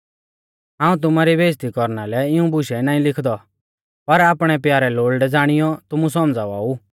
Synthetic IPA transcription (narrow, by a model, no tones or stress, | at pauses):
ɦãːũt̪̬ʊmaɾibeːst̪ikɔɾnalɛɪũbʊʃɛnaːĩlɪkʰd̪ɔ | pɐɾaːpɽ̃ɛpjaːɾɛloːlɖɛd͡zaːɽ̃ɪjɔt̪ʊmusɔmd͡zaʋa̰ːu